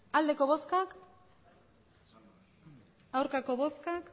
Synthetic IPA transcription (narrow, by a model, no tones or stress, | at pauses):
ald̪e̞ko̞βo̞skak | awɾkako̞βo̞skak